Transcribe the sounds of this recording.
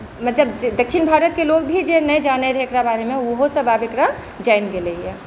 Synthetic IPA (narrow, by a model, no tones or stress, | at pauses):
mɐt̪ləbd̪əkʰʃinbʱaːɾət̪keloɡ̚bʱid͡ʒenəed͡ʒaneɾɦekɾabaːɾemẽoɦosəbaːbekɾa | d͡ʒaɪnɡeleiɛ